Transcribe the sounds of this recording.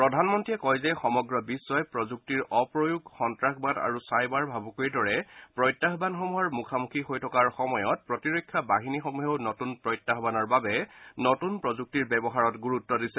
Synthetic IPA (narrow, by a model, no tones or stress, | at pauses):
pɹɔdʱanmɔntɹiɛkɔjzɛxɔmɔɡɹɔbisːɔjpɹɔzuk̚tiɹʔɔpɹojuɡxɔntɹakbata̰ɹusajbaɹbʱabukojdɔɹɛpɹɔjtːaxbanxɔmuaɹmukʰamukʰixojtʰɔkaɹxɔmɔjɔt̚pɹɔtiɹojkʰːjabaɦinixɔmuɦeʊnotunpɹɔjtːaɦbanɔɹbabɛnotunpɹɔzuk̚tiɹbɛbɔɦaɹɔtɡuɹutːɔdisɛ